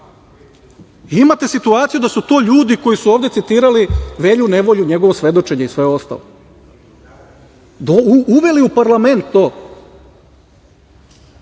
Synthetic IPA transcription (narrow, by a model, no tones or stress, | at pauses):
imat̪e̞sit̪uaːt̪sijud̪asut̪o̞ːʎuːd̪iko̞jisuoːvd̪e̞t̪it̪iːɾaliʋe̞ʎune̞ʋo̞ʎuɲe̞ɡoʋosʋe̞d̪o̞t͡ʃe̞ɲeisʋe̞o̞st̪a̰lo | d̪ouuʋe̞liupaɾlˠame̞nt̪ːoː